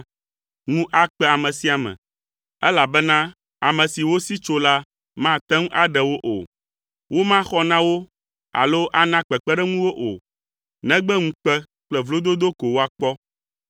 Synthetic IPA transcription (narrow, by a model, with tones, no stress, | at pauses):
ŋũ˦ʔa˦k͡pɛ˦a˨mɛ̃˨si˦a˨mɛ̰̃˨ | ɛ˦la˨bɛ˦nã˦ | a˨mɛ̃˨si˨wo˦si˦t͡ʃo˦la˦ | mã˦t̪ɛ˦ŋũ˦ʔa˦ɖɛ˨wo˦ʔo̰˨ | wo˦mã˦xɔ˦nã˦wo˦ | a̰˨lo˦ʔa˦nã˦k͡pɛ˨k͡pɛ˦ɖɛ˦ŋũ˦wo˦ʔo̰˨ | nɛ̃˦ɡ͡bɛ˦ŋũ˦k͡pɛ˦ | k͡plɛ˦vlo˦d̪o˦d̪o˦ko˨wo˦a˨k͡pɔ˦